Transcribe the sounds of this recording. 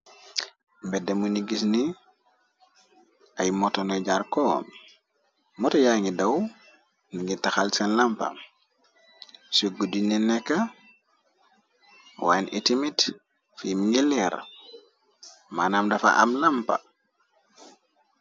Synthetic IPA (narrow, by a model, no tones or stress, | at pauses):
mbɛdemuniɡisni | ʔajmɔtɔnɔjɟaɾkɔ̰m | mɔtɔjaŋidaw | niŋitaxalsanlampa̰ | suɡudininɛkːa | wanḭtimit | fimiŋɡilɛɾ | manamdafa̰ʔa̰mlampa̰